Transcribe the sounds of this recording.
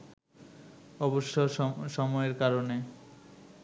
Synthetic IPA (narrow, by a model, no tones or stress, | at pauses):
ɔboʃːoʃɔmɔeɾkaɾone